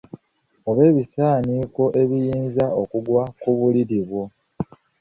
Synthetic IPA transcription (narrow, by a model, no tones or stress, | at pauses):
oβe̞ːβisaːniko̞ʔe̞βijiːnzaokuɡwakuβuliɾiβwo